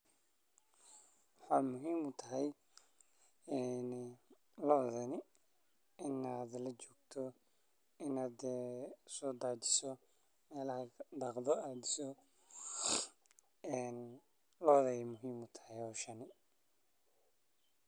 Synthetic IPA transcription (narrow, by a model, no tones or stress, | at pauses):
wɑħɑːmʊɦiːmʊt̪ʰɐɦɛj | ɛn | lɔːðɐnɪ | ɪnaːd̪lɐt͡ʃɔːɡ̚t̪ʰɔ | ɪnaːd̪ɛːsɔːd̪aːt͡ʃɪ̥sɔ | mɛːlɐɦɐd̪ɑqðɔaːd̪ɪsɔ | ɛn | lɔːðɐjmʊɦiːmʊt̪ʰɐ̥hɛjɔːʃɐnɪ